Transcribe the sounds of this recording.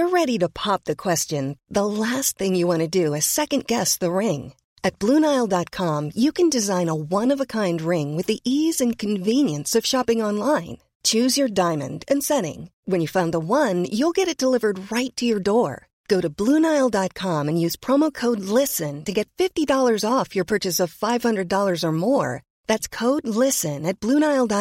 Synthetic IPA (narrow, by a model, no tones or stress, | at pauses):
ə˞ɹɛɾiɾɨpʰɑp̚ðɨkʰw̥ɛst͡ʃɨ̃nðəlæst̪̚θɪ̃ŋjɨwɑ̃ñɨdɨɨsɛkɨ̃nɡ̥ɛsðəɹɪ̃ŋ | ɨt̚b̥lũnaɪlˠdɑt̚kʰɑ̃mjɨkʰɨ̃ndɨzãɪ̃nəwʌ̃nʌvəkʰãɪ̃nd̚ɹɪ̃ŋwɨðiʔizɨ̃nkʰɨ̃ɱvĩnjɨ̃nsʌv̥ʃɑpɪ̃ŋɑ̃nlãɪ̃n | t͡ʃʰʉzjə˞dãɪ̃mɨ̰̃ndɨ̃nsɛ̃ɾɪ̰̃ŋwɨ̃njɨfãʊ̃nðəwʌ̃njulˠɡɛɾɨt̚d̥əlɪvə˞d̚ɹaɪtʰɨjə˞dɔɹ | ɡ̥oʊɾɨblũnaɪl̩ˠdɑt̚kʰɑ̃mɨ̃njʉz̥pʰɹ̥ɑmoʊkʰoʊdˡlɪsɨ̃ntɨɡɛtfɪftidɔlˠə˞zɔfjə˞pʰɜ˞t͡ʃɨsʌv̥faɪv̥hʌ̃ndɹɨdɔlˠə˞zə˞mɔɹ | ðætskʰoʊdˡlɪsɨ̃nɨt̚b̥lũnaɪlˠdɑ